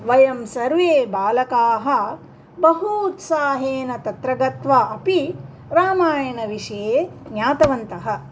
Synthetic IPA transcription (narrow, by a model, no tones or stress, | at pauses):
ʋɐjɐmsɐɾʋeːbaːlɐkaːɦɐ̆ | bɐɦuːt̪saːɦeːnɐt̪ɐt̪ɾɐɡɐt̪ʋɐɐpi | ɾaːmaːjɐɳɐʋiʂɐjeːnjaːt̪ɐʋɐnt̪ɐɦɐ̆